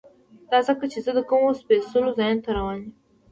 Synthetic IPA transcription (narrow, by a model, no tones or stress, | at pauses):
d̪̥ɑzəkət͡ʃezəd̪əkəmospesulozɑjent̪aɾawɑni